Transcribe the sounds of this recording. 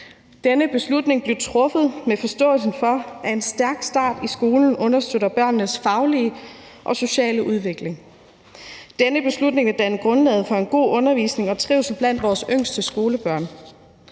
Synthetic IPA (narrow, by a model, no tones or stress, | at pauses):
d̥enəb̥e̝slud̥ne̝ŋb̥le̝ʊt͡sʰʁɔ̽fð̞̩ˠmefɒ̽sd̥ɔ̰̽ːl̩sn̩fɒ̽ʔæe̝nsd̥æɐɡ̥sd̥ɑ̰̈ːd̥isɡ̥o̝ːln̩ʔɔ̽nɐsd̥ød̥ˠɐb̥ɶɐ̰nːəsfɑ̈ʊliə | ʔɒ̽so̝ɕɛ̰ːləʔuð̞ˠʋe̝ɡ̥le̝ŋ | d̥enəb̥e̝slud̥ne̝ŋʋed̥ænɡ̥ʁɔ̽nlɛ̰ːð̩ˠfɒ̽e̝nɡ̥o̝̰ːʔɔ̽nɐʋḭːsne̝ŋɒ̽t͡sʰʁḭːʊs̩b̥læn̰d̥ʋɒːsøŋ̰sd̥əsɡ̥o̝ːləb̥ɶɐ̰n